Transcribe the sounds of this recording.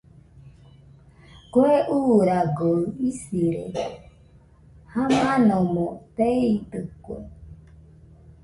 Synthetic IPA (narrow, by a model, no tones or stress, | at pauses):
koeʔuɾaɡoɯisiɾḛ | hamãnõmõt̪eit̪ɨkwḛ